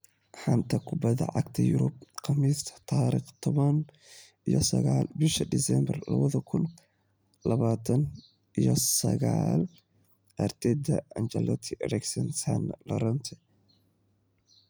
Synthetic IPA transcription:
ħant̪ʰɐkʰʊbɐðɐ̰ʕɑɡt̪ʰɐjʊɾʊbqʰɑmist̪ʰɐ̥t̪ʰaːɾiχt̪ʰɔβɐn | ʔijɔsɐɣaːlbɪʃɐd̪ɪsɛmbɐrlɐ̰βɐðɐkʰʊn | lɐβaːt̪ʰɐn | ʔijɔsɐɣaːl | ɐrt̪ʰɛd̪ɐɐnt͡ʃɐlɐt̪ʰɪrɛksɐnsɐnlɐɾɔnt̪ʰɛ

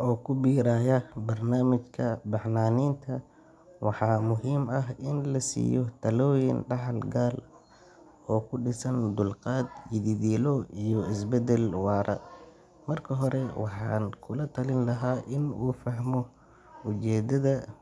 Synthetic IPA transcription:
ʔɔːkʰʊbiːɾaːjɐbɐrnaːmɪt͡ʃkʰɐbɑħnaːniːnt̪ʰɐ | wɑħɑːmʊɦiːmɐɦɪnlɐsḭːjɔt̪ʰɐlɔːjɪnɖɑħɑlɡaːl | ɔːkʰʊɖɪsɐnd̪ʊlqɑːd̪jɪðiðiːlɔijɔɪsbɛd̪ɛlwɑːɾɐ̰ | mɐrkʰɐɦɔɾɛwɑħɑ̰ːnkʰʊlɐt̪ʰɐlɪnlɐɦaːʔɪnuːfɐɦmɔ | ʊt͡ʃɛːd̪ɐðɐ

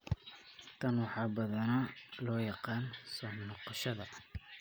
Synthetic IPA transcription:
t̪ʰɐnwɑħɑːbɐðɐnɐlɔːjɑqɑːnsɔːnɔqɑʃɐðɐ

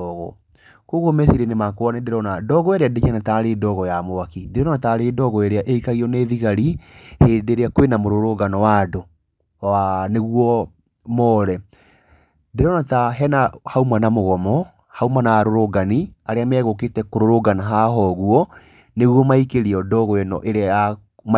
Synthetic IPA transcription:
ɔɣɔ̰ | koɣomesiɾenemakoanedeɾɔnadɔɣɔeɾeaded͡ʒɛnataɾedɔɣɔjamoakideɾɔnataɾedɔɣɔeɾeaʔeikaɣiɔneːðiɣaɾihedeɾeakwenamoɾoɾoɡanɔwado | aneɣwɔ | mɔːɾɛ | ndeɾɔnataɦɛnahaumanamoɣɔmɔ | haumanaaɾoɾoɡaniaɾeamɛɣoketɛkoɾoɾoɡanaɦaɦɔɣuɔ | neɣwɔmaikeɾiɔdɔɣɔɛnɔ̰ʔeɾeaa | m

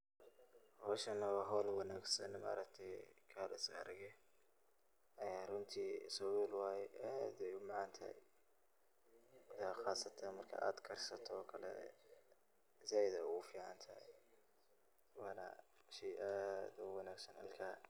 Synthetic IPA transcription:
hɔːʃɐnɐwɐɦɔːlwɑnaːɡsɐnma̰ːɾɐkt̪ʰɛjkʰaːlɪsɐ̰ɾɣɛ | ʔɐjaːrʊnt̪ʰiːsɔwuːlwaːjɛʔaːd̪ɛjʊmɑʕɑnt̪ʰɐ̰j | wɐðaːxɑːsɐt̪ʰanmɐrkʰɐ̰ʔa̰ːd̪kʰɐrsɐt̪ʰɔːkʰɐlɛ̰ | zajd̪ɐʊʊfiːʕɑnt̪ʰɐ | wɑːna̰ | ʃijʔaːd̪ʊwɑnaːɡsɐnʔɐ̰lkʰaː

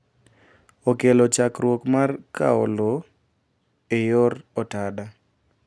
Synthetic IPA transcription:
okelot͡ʃakɾwokmarka̰o̰lo | ejorɔtada

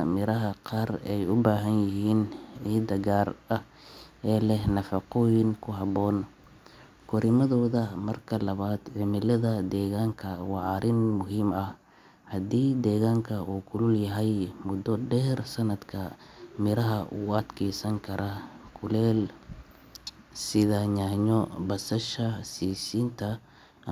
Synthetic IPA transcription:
mɪɾɐɦɐqɑːrɛjʊbaːɦɐnjɪhiːnʕiːd̪ɐɡaːrɐ | ɛːlɛhnɐfɑqɔːjɪŋkʰʊɦɑβɔːn | kʰɔɾɪmɐðɔːðɐmɐrkʰɐlɐβaːd̪ʕɪmɪlɐðɐd̪ɛːɣaːŋkʰɐwɑʕɑɾʔɪnmʊɦiːmɐh | hɐd̪iːd̪ɛːɣaːŋkʰɐuːkʰʊlʊljɐɦɛjmʊd̪ɔɖɛːrsɐnɐd̪kʰɐmɪɾɐɦɐʔṵːɐd̪kʰɛːsɐŋkʰɐɾʔɐkʰʊlɛːl | sɪðaːɲaːɲɔbɐsɐʃɐsiːsiːnt̪ʰɐ

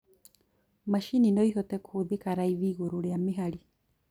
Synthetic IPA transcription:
maʃininɔiɦɔtɛkʰuðekaɾaiβiɣoɾoɾeameɦaɾi

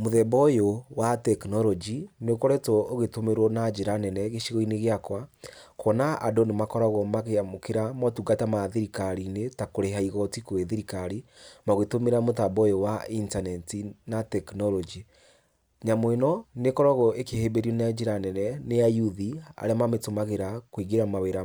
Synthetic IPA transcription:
moðɛbɔjowatɛknɔlɔd͡ʒinekɔɾɛtɔoɣetomeɾwɔnad͡ʒeɾanɛnɛɣeʃiɣɔineɣeakwakɔnaʔa̰donemakɔɾaɣɔmaɣeamokeɾamɔtuɡatamaðiɾikaɾinetakoɾeɦaiɣɔtikoeðiɾikaɾimaɣetomeɾamotabɔjewaintanɛtinatɛknɔlɔd͡ʒi | ɲamwenɔnekɔɾaɣɔekehebeɾiɔnead͡ʒeɾanɛnɛnejajuðia̰ɾeamametomaɣeɾakwiɡeɾamaweɾa

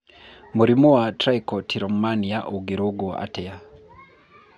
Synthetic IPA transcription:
muɾimuwatɾajkɔtʰiɾɔmmaniaʔuɡiɾoɡua̰tɛa

